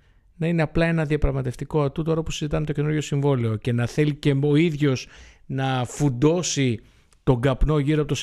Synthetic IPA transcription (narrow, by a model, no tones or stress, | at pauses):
nɐine̞ɐplɐe̞nɐðiɐpɾɐɣmɐt̪e̞ft̪iko̞ɐt̪ut̪o̞ɾɐpusizit̪ɐmet̪oce̞nuɾʝo̞siɱvo̞leo̞ce̞nɐθe̞lice̞oiðʝo̞snɐfund̪o̞si | t̪o̞ɡɐpno̞ʝiɾoɐpot̪os